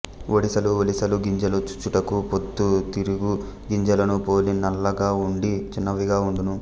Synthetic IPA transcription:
olisɐluolisɐluɡiɲd͡ʒɐlut͡ʃu̥t͡ʃːuʈɐkupot̪ːut̪iɾuɡu | ɡiɲd͡ʒɐlɐnupoːlinɐlːɐɡaːuɳɖit͡ʃinːɐʋiɡaːuɳɖ̪unu

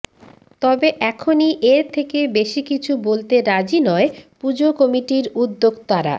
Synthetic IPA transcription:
t̪ɔbeʔɛkʰoniʔeɾt̪ʰekebeʃikit͡ɕʰubolt̪eɾad͡ʑinɔepud͡ʑokɔmiʈiɾud̪ːoɡt̪aɾa̰

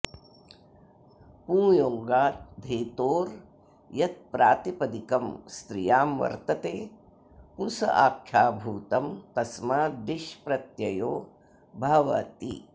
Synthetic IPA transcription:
pũːjoːŋɡaːt̪d̪ʱeːt̪oːɾ | jɐt̪̚pɾaːt̪ipɐd̪ikɐmst̪ɾijaːmʋɐ̰ɾt̪ɐt̪eː | pusɐ̰ʔaːkʰjaːbʱuːt̪ɐmt̪ɐsmaːd̪iʃpɾɐt̪jɐjoː | bʱaːʋɐ̰t̪ḭ

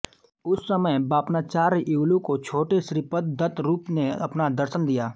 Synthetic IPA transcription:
ʊsːəməjbaːpnaːt͡ʃaːɾuːlũkot͡ʃʰoːʈeʃɾɪpət̪̚d̪ət̪ɾuːpneɐpnad̪ɐɾʃənd̪ijaː

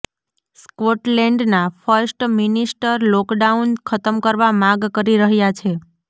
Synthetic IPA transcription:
skoʈlɛɳɖnafʰəɾsʈminisʈəɾlɔkɖaunkʰət̪əmkəɾʋamãɡkəɾiɾəɦjat͡ʃʰe

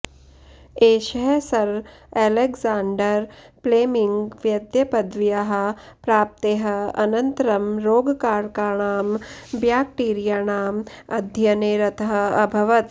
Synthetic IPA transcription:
eːʃɐɦsɐɾeːleɡzaːɳɖɐɾ | pleːmiŋɡʋjɐd̪jɐpɐd̪ʋjɐɦɐ̆pɾaːp̚t̪eːɦɐ̆ɐ̰nɐnt̪ɾɐmɾoːɡkaːɾkaːɳaːmbjaːk̚ʈiːɾijaɳaːmɐd̪ʱjɐneːɾɐt̪ʰɐɦɐɐbʱɐʋɐt̪

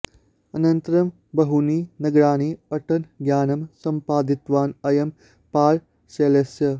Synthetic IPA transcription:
ɐnɐnt̪ɐɾɐm | bɐɦuniːnɐɡɾaːniːɐʈɐnɡjaːnɐmsɐmpaːd̪it̪ʋaːnɐjɐm | paːl | seːlesjɐ

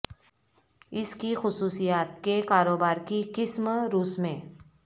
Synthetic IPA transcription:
ɪskixʊsuːsijaːt̪kekaːɾoːbaːɾkikɪsmɾuːsmẽː

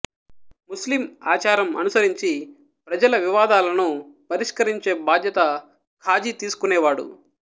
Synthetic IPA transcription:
muslima̰ːt͡ʃaːɾɐmɐ̰nusɐɾiɲt͡ʃi | pɾɐd͡ʒɐlɐʋiʋaːd̪aːlɐnupɐɾiʂkɐɾiɲt͡ʃeːbaːd̪ʱjɐt̪ɐ | kʰaːd͡ʒit̪iːsu̥kunɛːʋaːɽṵ

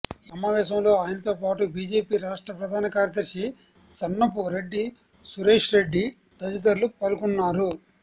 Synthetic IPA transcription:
sɐmaːʋɛːʃɐmlo̞ːaːjɐnɐt̪o̞ːpaːʈubiːd͡ʒe̞ːpiːɾaːʂʈɾɐpɾɐd̪ʱaːnɐkaːɾjɐt̪ɐɾʃi | sɐnːɐpuɾe̞ɖːi | suɾe̞ːʂɾe̞ɖːi | d̪ɐd͡ʒit̪ɐɾlupɐlukunːaːɾu

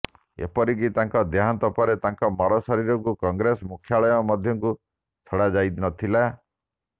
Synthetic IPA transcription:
ḛpɔɾikit̪aŋkɔd̪eɦant̪ɔpɔɾet̪aŋkɔmɔɾɔsɔɾiɾɔŋkukɔŋɡɾesɔmukʰːjaɭɔjɔmɔd̪ʱjɔŋku | t͡ʃʰɔɽad͡ʒajd̪inɔt̪ʰila

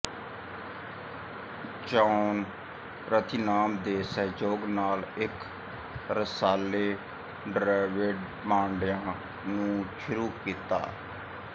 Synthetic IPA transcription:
t͡ʃaːn | ɾət̪ʰɪnaːmd̪eːsəɦd͡ʒoːɡnaːlɪk | ɾəsaːleː | ɖɾaːɪʋeɖ | mãːɳɖɪjãː | nũːʃʊɾuːkiːt̪a̰ː

